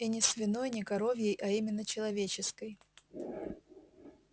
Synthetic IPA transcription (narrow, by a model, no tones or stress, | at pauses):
inʲɪsvʲɪnojnʲɪkɐɾo̞vʲjejʔɐimʲɪnːət͡ɕɪlˠɐvʲet͡ɕɪskəj